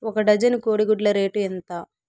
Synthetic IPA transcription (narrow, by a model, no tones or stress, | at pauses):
ɔkɐɖɐd͡ʒɐnikoːɽiɡuɖlɐɾe̞ːʈuent̪aː